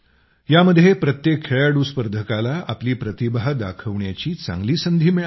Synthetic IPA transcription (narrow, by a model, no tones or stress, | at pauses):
jaməd̪ʱːjepɾət̪jekʰːeɭaɽuspəɾd̪ʱəkalaa̰pliːpɾət̪ibaɦd̪a̰kʰəʋɳjat͡ɕiːt͡sã̰ŋɡliːsənd̪ʱiːmiɭa